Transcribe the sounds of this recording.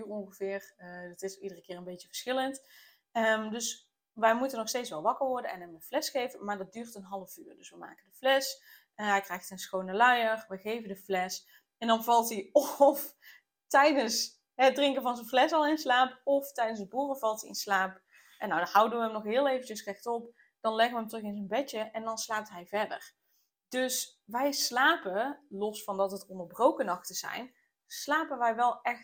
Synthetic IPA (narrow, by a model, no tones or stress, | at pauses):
rɔ̃ŋxəvɪːrdɑtɪsidərəkɪːrənbejtəvəɹsxɪlənt | əmdɵs | ʋɛjmutənːɔxsteːtsʋɛlˠʋɑkəɹʋɔɹdənɛ̰nɦəməflɛsxejvənmaːɹdɑt̚dyːrtənɦɑlˠəvyːrdɵsʋəma̰ːkəndəflɛs | ɦɛjkrɛjxtənsxownəlœjərʋəɣejvəndəflɛs | ɛndɑnvɑlˠtiɔf | tɛjdəns | ɦədrɪŋkəvɑnzənvlɛsɑlˠɪnslaːpɔftɛjdənsəbuːrəvɑlˠtiɪ̰nslaːp | ʔɛnːawdɑnɦʌwdəʋəɦəmnɔχɦɪːlˠejvənt͡ʃəsrɛxtɔp | d̥ɑnlɛɣəʋəɦəmtrɵxɪnzənbɛəʔɛndɑnslaːp̚tɦɛjvɛɹdə̰r | d̥ɵs | ʋɛjslaːpəlɔsfɑndɑtɦətɔndərbrowkənɑxtəz̥ɛ̰jn | slaːpənʋɛjʋɛlˠɛxt